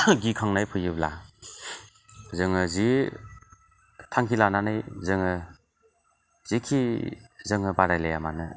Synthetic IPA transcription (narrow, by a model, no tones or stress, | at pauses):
ɡikʰaŋnajpʰɯjɯbla | zɯŋɯzi | tʰaŋkʰilananɯjzɯŋɯ | zikʰizɯŋɯbaɾajlajamanɯ